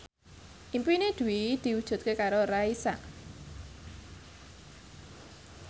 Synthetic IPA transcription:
ʔimpined̪̥ṳwid̪̥i̤wud̥ʒ̥ṳt̪̚kekaɾoɾaisa̰ʔ

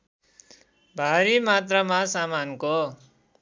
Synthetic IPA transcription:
bʱaɾimat̪rʌmasamanko

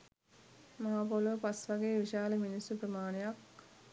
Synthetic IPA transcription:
maɦapolʋəpasʋaɡeːʋiʃaːləminisuprəmaːnejak

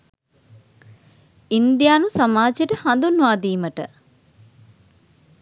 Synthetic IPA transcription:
ind̪jaːnusamaːd͡ʒjeʈəhand̪unːuʋaːd̪iːməʈə̰

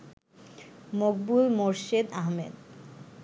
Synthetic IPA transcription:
moɡ̚bulmoɾʃed̪aɦmḛd̪

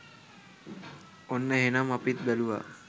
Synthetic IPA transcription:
onːəɦenamɐpit̪̚d̪ɐluʋa̰

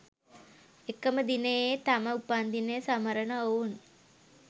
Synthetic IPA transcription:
ekːəməd̪inejet̪aməupand̪inəjsaməɾənəoun

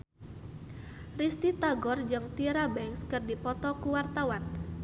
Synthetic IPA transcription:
rist̪it̪aɡɔrd͡ʒɨŋt̪iɾabɛŋskɨrdipɔt̪ɔkuwart̪awan

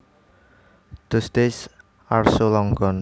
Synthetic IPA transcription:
d̪̥ʊ̤st̪ɪs | arsolɔŋɡɔn

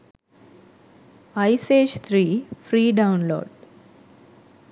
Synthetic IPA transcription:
ɐjseːd͡ʒt̪ʰɾiːfɾiːɖawnlo̰ːɖ

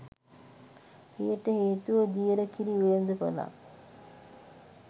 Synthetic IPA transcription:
ḛjəʈəheːt̪uʋəd̪ijəɾəkiɾiujend̪əpo̰la̰

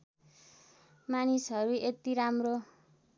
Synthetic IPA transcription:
manisʌɾuet̪iɾamro

